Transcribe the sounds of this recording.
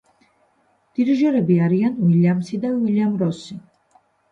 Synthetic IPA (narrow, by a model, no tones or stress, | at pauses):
d̪̥iɾiʒɔɾɛbiaɾianwiljamsid̪awiljamɾɔsi